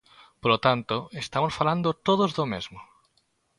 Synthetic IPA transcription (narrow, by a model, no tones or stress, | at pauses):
polot̪ant̪oest̪amosfaland̪ot̪oð̞ozðomezmo